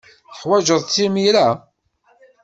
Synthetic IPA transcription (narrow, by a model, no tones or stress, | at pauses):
θəħwæʒəðˤt͡sːimiɾæ